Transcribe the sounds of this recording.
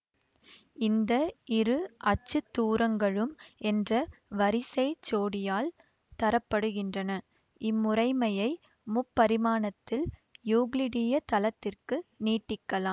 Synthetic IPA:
ɪnd̪ɐɪɾɯʔɐt͡ʃːɯt̪ːuːɾɐŋɡɐɭɯmʔɛndrɐʋɐɾɪsɐɪt͡ʃːoːɽɪjaːl | t̪ɐɾɐpːɐɽɯɣɪndrɐnɐ | ʔɪmːʊrɐɪmɐjɐɪ | mʊpːɐɾɪmaːnɐt̪ːɪljuːɣlɪɽɪjɐt̪ɐlɐt̪ːɪrkɯniːʈːɪkːɐlaːm

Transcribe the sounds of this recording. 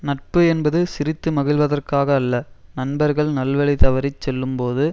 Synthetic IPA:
nɐʈ̚pɯɛnbɐðɯsɪɾɪt̪ːɯmɐɣɪɭʋɐðɐrkaːɣɐːlːɐnɐnbɐɾɣɐɭnɐlʋɐɭɪt̪ɐʋɐɾɪt͡ʃsɛlːɯmpoːðɯ

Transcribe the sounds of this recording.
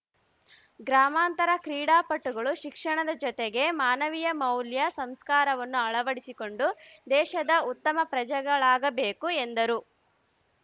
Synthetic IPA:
ɡɾaːmaːnt̪ɐɾɐkɾiːɽaːpɐʈːuɡɐɭuʃikʂɐɳɐd̪ɐd͡ʒɔt̪eɡe̞maːnɐʋijɐmɐwljɐsɐmskaːɾɐʋɐnːuɐɭɐʋɐɽisiko̞ɳɖud̪ɛːʃɐd̪ɐut̪ːɐmɐpɾɐd͡ʒɐɡɐɭaːɡɐbe̞ːkuend̪ɐɾu

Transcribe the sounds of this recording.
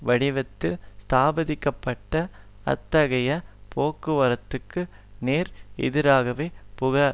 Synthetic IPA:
ʋɐɽɪʋɐt̪ːɪlst̪aːbɐðɪkːɐpːɐʈːɐ | ɐ̰t̪ːɐɣɐjɐpoːkːɯʋɐɾɐt̪ːɯkːɯ | neːɾɛ̰ðɪɾaːɣɐʋeːpʊɣɐ

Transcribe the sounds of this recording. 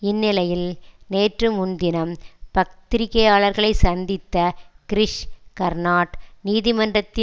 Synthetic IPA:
ɪnːɪlɐjɪlneːʈrɯmʊnd̪ɪnɐmpɐk̚t̪ɪɾɪkːɐjaːɭɐɾɣɐɭɐɪsɐnd̪ɪt̪ːɐkɪɾɪʂkɐɾnaːʈniːðɪmɐndrɐt̪ːɪ

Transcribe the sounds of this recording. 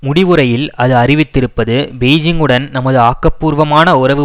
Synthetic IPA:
mʊɽɪʋɯɾɐjɪlɐðɯɐrɪʋɪt̪ːɪɾɯpːɐðɯbeːd͡ʒɪŋɡɯɽɐnnɐmɐðɯaːkːɐpːuːɾʋɐmaːnɐʊɾɐʋɯ

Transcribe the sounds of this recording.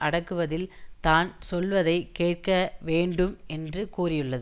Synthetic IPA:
ʔɐɽɐkːɯʋɐðɪlt̪aːnsɔlʋɐðɐɪkeːʈ̚kɐʋeːɳɖɯmɛndrɯkuːrɪjɯɭːɐðɯ

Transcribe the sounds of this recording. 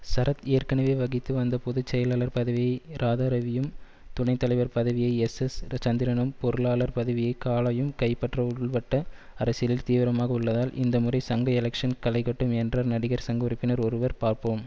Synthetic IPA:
sɐɾɐt̪eːɾkɐɳɐʋeːʋɐɣɪt̪ːɯʋɐnd̪ɐpɔðɯt͡ʃːɛjɐlaːlɐɾpɐðɐʋɪjɐɪɾʔaːðaːɾɐʋɪjɯm | t̪ʊnɐɪt̪ːɐlɐɪʋɐɾpɐðɐʋɪjɐɪɛsɛst͡ʃɐnd̪ɪɾɐɳɯmpɔɾɯlaːɭɐɾpɐðɐʋɪjɐɪkaːlɐjɯmkɐɪpːɐʈrɐʊɯɭʋɐʈːɐ | ɐɾɐsɪɐlɪlt̪iːʋɪɾɐmaːɣɐɯɭːɐðaːlʔɪ̰nd̪ɐmʊrɐɪsɐŋɡɐɛlɐkʂɐnkɐlɐɪkɐʈːɯmɛndrɐɾnɐɽɪɣɐɾsɐŋɡɐɾɪpːɪnɐɾɔɾɯʋɐɾpaːɾpoːm

